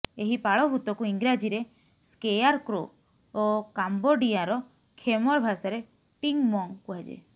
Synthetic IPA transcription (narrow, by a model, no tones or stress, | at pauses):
eɦipaɭɔbʱut̪ɔkuiŋɡɾad͡ʒiɾe | skejaɾkɾoː | kamboɖijaɾɔ | kʰemɔɾbʱasaɾe | piŋmɔŋkuɦad͡ʒḛ